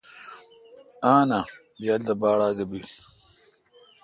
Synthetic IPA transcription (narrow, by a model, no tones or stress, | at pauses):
aːna | bjaːld̪ɐbaːɽaːɡɐbi